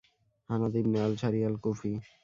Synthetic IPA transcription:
hanad̪ibnealʃʰaɾialkofi

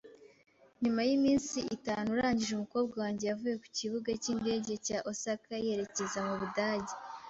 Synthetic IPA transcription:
ɲumajimiːnsiitaːnuɾaːɲɟiʒumuko̞ːb̚ɡawaːɲɟe̞javuje̞ku̥ciβuɡacinde̞ːɟe̞caʔosakae̞ɾe̞ce̞zamuβudaːɟe

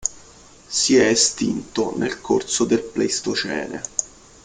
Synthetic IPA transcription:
siɛːst̪int̪onʔelkʰorsod̪elplejst̪ot͡ʃɛ̰ːnḛ

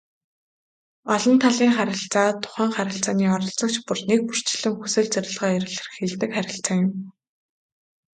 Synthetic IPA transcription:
ɔɮɞ̆nt̪ʰaɮiːŋχaɾʲɪ̆ɬt͡saːt̪ʰːʊ̥χæːŋχæɾʲɪ̆ɬt͡saːniːɔɾɞ̆ɮt͡sɞ̆k̚t͡ɕpʊrnek̚pur̥t͡ɕɪ̆ɮɘ̆ŋxusɘ̆ːɮt͡sæɾʲɪ̆ɮʁaːeɾʲɪ̆ɮɘ̆rxeɮt̪ɘ̆kχæɾʲɪ̆ɬt͡saːŋjʊ̆m

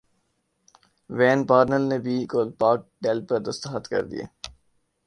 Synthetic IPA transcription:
ʋɛːnpaːɾnəlnebʱiːkoːlpaːk̚ɖɛːlpəɾd̪əst̪ːət̪kɐ̰ɾd̪ḭḛː

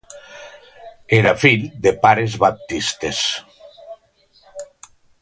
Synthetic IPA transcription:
eɾafild̪epaɾezβap̚t̪ist̪es

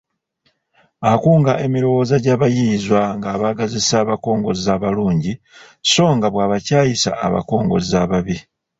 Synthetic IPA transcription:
akuːŋɡaʔe̞miɾo̞wo̞ːzaɟaːβajizwaŋɡaːβaɡazisaːβako̞ːŋɡo̞̰zaːβaluːɲɟi | so̞ːŋɡaβwaːβacaːjisa̰ːβa̰ko̞ːŋɡo̞̰zaβaβi

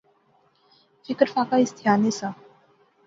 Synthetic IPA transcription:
fikəɾfakaist̪ʰijanesa

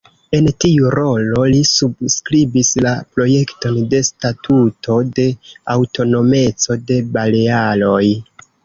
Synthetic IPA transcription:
e̞ntiuɾo̞lo̞lisubskɾibislapɾo̞je̞kto̞nde̞statʰutʰo̞de̞awto̞no̞me̞t͡so̞de̞bale̞alo̞j

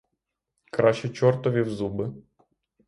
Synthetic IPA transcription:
kɾɑʃt͡ʃɛt͡ʃɔrt̪ɔʋʲiwzubɪ

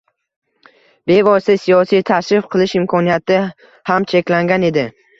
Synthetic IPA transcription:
be̞vɒst̪ɪsijɒsijt̪ʰaʃɾɪfqʰɨlˠɪʃɪmkʰɒnijat̪ʰɪ | hamt͡ʃʰe̞kʲlaŋɡʲane̞d̪ɪ

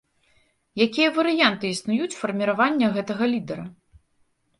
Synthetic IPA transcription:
jakʲijɐvɐɾɨjant̪ɨisnujut͡sʲfɐrmʲiɾavanʲːɐɣɛt̪ɐɣɐlʲid̪ɛɾɐ

